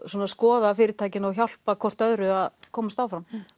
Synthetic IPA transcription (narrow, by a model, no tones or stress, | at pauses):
sɔːnaskɔːðafɪːɾɪt̪ʰaːjcɪnɔɣçal̥pakʰɔr̥t̪œðɾʏaðkʰɔːmast̪aːwfɾam